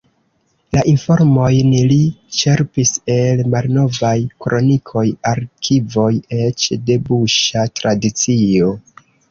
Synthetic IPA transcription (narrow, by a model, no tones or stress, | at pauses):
laʔinfo̞ɾmo̞jnlit͡ʃe̞ɾpise̞lmalno̞vajkɾo̞nikʰo̞jaɾkʰivo̞jet͡ʃde̞buʃatɾadit͡sio̞